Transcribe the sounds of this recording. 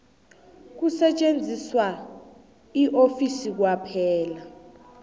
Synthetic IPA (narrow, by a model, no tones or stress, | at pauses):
k̬usɛt͡ʃʼend͡zʱiswa | iʔofisik̬wapʰɛːla